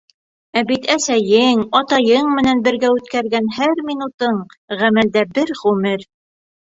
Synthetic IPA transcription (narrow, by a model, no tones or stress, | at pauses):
æbit̪ʰæsæjɘŋɑt̪ɑjɤɴmɘ̆nænbɘ̆ɾɡæʉt̪kæɾɡænhæɾmʲinut̪ɤɴ | ʁæmæld̪æbɘɾʁʉmɘɾ